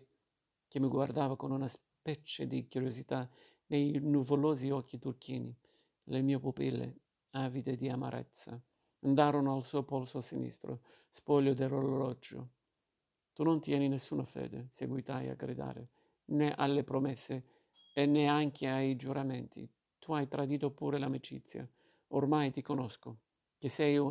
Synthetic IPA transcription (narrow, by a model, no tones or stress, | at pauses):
k̟ɪmːɪɡward̪aːvakʊnunas | pɛt͡ʃed̪ikuɾjozit̪a | nejnuvʊlɔːziɔkːit̪urkiːni | lɪmiːopupilːḛ | avit̪ed̪iama̰ɾʔɛ̰t̪sːa | nd̪aːɾʊnʊalsuːpɔlsʊsinḭst̪ɾʊ̰ | spɔʎːʊd̪ɪroɾlolɔd͡ʒːʊ̰ | t̪unont̪jɛːninesːunafɛ̰ːd̪eseɡwit̪aja̰ɡɾḭd̪a̰ːɾḛ | nɛʔa̰lːepɾomɛsːeː | nːɛaŋk̟ʰɪaid͡ʒuɾamɛnt̪ʰḭ | t̪ʰuajt̪ɾad̪iːt̪opuːɾelamit͡ʃḭt̪sːja̰ | ormajt̪ikonɔsko | k̟ɪsɛj